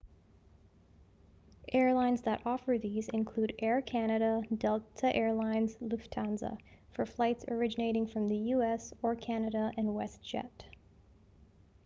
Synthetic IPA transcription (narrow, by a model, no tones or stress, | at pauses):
ʔɛɹlãɪ̃nzðəɾɔfə˞ðizɨ̰̃nkʰl̥uɾɛɹkʰænɨɾədɛlˠtʰəʔɛɹlãɪ̃nzlʉftʰɑ̃nzə̰fə˞flaɪtsə˞ɪd͡ʒɨneɪɾɪ̃ŋfɹʌ̃mðɨjʉɛsə˞kʰænɨɾəɨ̃nwɛsʒ̥ɛ̰t